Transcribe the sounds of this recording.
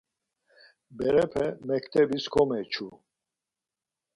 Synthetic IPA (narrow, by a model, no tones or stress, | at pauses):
bɛɾɛpʰɛmɛkʰt̪ʰʼɛbiskʰɔmɛt͡ʃʰu